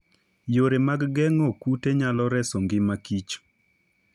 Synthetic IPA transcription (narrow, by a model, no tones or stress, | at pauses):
joɾemaɡɡɛŋɔkuteɲalɔɾɛsɔŋɡɪmakit͡ʃ